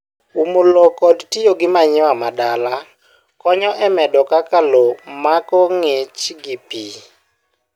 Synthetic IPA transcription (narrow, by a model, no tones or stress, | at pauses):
umolokɔdtijoɡɪmaɲɪwamadala | kɔɲɔʔɛmɛdɔkakalomakɔŋet͡ʃɡɪpi